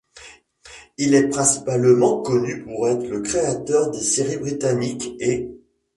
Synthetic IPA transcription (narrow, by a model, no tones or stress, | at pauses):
ilɛpχɛ̃si̥palmɑ̃kɔnypuʁɛt̪χələkχeat̪œʁd̪eseʁibʁit̪anike